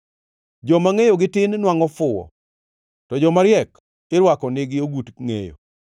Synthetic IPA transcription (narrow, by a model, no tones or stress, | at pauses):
d͡ʒɔmaŋejoɡɪtɪnnwaŋɔfʊɔ̰ | tɔd͡ʒɔmaɾjɛk | ɪɾwakɔnɪɡɪoɡutŋḛjo̰